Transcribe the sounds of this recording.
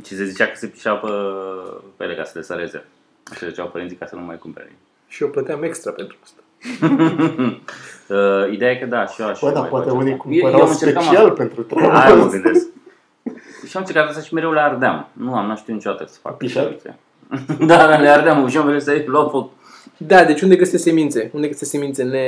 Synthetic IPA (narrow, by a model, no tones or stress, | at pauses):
t͡ʃisezit͡ʃakə̥sepi̥ʃawpə | pelekasəlesəɾe̞zḛ | asezeit͡ʃawpəint̪sikasənuma̰jkumpeɾḛi | ʃioplət̪eamekst̪ɾapent̪ɾuast̪ḁ | əid̪eajekəd̪aʃioaʃd̪aapwat̪eunikumjeamɨnt͡ʃeekamialpent̪ɾut̪ɾaajməɡɨnd̪essk̚ | ʃiamnt͡ʃeɾkat̪ast̪aʃimeɾewleard̪ea̰mnuamnuaʃt̪iuoit͡ʃod̪at̪əsə̥fa̰kk̚p̪aisḛ | d̪ad̪aleaɾd̪eamʃiamvid̪est̪aelafot̪ | d̪ad̪e̞t͡ʃund̪ekɾest̪esemint̪se̞und̪ekɾest̪esemint̪sene